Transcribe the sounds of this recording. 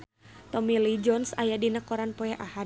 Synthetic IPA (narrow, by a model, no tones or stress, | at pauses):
t̪ɔmilid͡ʒɔnsa̰jadinəkɔɾanpɔɛʔaha